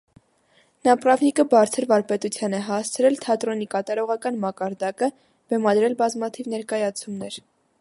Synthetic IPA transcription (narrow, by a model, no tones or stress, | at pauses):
nɑprɑvnikəbɑɾt͡sʰəɾvɑɾpɛt̪ut͡sʰjɑnɛɦɑst͡sʰɾɛlt̪ʰɑt̪ɾɔnikɑt̪ɑɾɔʁɑkɑnmɑkɑɾd̪ɑkə | b̥ɛmɑd̪ɾɛlbɑzmɑt̪ʰivnɛɾkɑjɑt͡sʰumnɛɾ